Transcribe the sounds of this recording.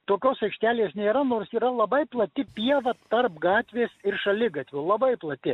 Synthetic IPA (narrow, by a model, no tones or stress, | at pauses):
t̪oːkʲoːsɐɪkʃʲt̪ʲæːlʲeːsnʲeːɾɐnoːrsiːɾɐlˠɐbɐɪplˠɐt̪ʲɪpʲiɛʋɐt̪ɐrpɡɑːt̪ʲʋʲeːsɪrʃɐlʲɪɡɐt̪ʲʋʲʊlˠɐbɐɪplˠɐt̪ʲɪ